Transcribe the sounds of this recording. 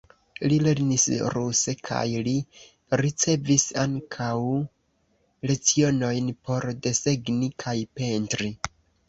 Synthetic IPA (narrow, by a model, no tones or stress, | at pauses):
lile̞ɾnisɾuse̞kʰa̰jli | ɾit͡se̞visaŋkʰaw | le̞t͡sio̞no̞jnpo̞ɾde̞se̞ɡnikʰajpe̞ntɾi